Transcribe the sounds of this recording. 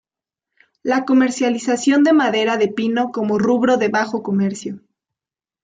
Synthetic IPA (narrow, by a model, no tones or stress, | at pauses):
lako̞me̞ɾsjalisasjo̞nd̪e̞maðe̞ɾaðe̞pino̞ko̞mo̞ruβɾo̞ðe̞βaxo̞ko̞me̞ɾsjo